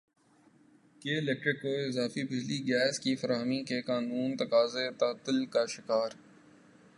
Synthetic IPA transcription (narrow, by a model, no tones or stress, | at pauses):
keːɪlɛːk̚ʈɾɪkːoɪzaːfibɪd͡ʒliɡɛːskifɐɾaːɦmĩkekaːnuːnt̪ɐkaːzet̪aːt̪ɪlkaʃɪkaːɾ